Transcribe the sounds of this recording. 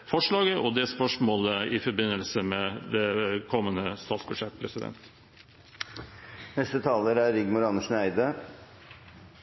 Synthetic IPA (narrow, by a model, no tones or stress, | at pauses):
fɔʂɭɑːɡəʔɔd̪ɛspœʂmoːləɪfɔɾbɪnːəlsəmɛd̪ɛkʰɔmːənəst̪ʰɑːt̪sbʉd̪ʂɛt̪ːpʰɾɛsɪd̪ɛ̰nt̪ | nɛst̪ət̪ʰɑːləɾæɾɪɡmʊɾɑnəʂnæɪd̪ə